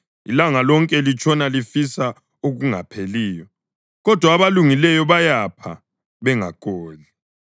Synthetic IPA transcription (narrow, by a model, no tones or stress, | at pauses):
ḭlaŋalɔŋkʼɛlit͡ʃʰʼɔnalifisa | oɣuŋapʰeliːjɔ | ɣɔd̥ʱwaːβaluŋilɛjɔβajapʰa̰ | βɛŋakʼɔːli